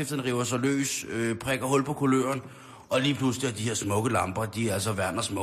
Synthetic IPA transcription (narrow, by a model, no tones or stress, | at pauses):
efd̥ˠn̩ʁiʊɐs̬ɒlø̰ːsøpʰʁɛɡ̥ɐɦɔ̽lpʰɒ̽kʰulø̰ːɐn | ʔɒ̽liːpʰlusliæɐd̥ihe̝ɐ̰smɔ̽ɡ̥əlɑ̈mb̥ɐd̥iælsɒ̽ʋæɐ̰nɐsmɔ